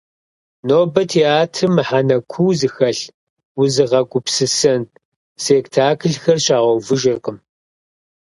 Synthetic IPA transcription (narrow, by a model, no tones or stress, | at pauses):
noːbɐtʰeaːtʰɨmɨħanɐkʷʰuːzɨxɐɬ | wʊzɨʁɐɡʷʊpsɨsɐn | seːktʰaːkʰɨɮxɐrɕaːʁɔwvɨʒɪrqəm